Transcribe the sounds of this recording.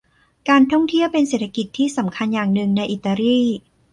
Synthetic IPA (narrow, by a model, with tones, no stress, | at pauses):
kaː˧nt̪ʰɔ˥˩ŋt̪ʰi˥˩əwpe˧nseː˨˩t̪ʰːa˧ki˨˩t̪ʰːiː˥˩sa˩˦mkʰa˧njaː˨˩ŋnɯ˨˩ŋna˧jʔi˨˩t̪ːa˧ɾiː˥˩